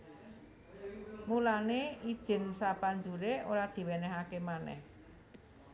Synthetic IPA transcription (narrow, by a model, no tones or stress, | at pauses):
mulanei̥ʒ̥ɪ̤nsapaɲd͡ʒuɾeʔoɾad̪̥i̤wenɛɦakemanɛ̰h